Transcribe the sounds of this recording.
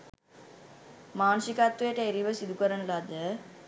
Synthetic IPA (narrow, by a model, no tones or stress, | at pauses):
maːnsikat̪ːueʈəeɾiʋəsid̪ʱukəɾəɳəlad̪ə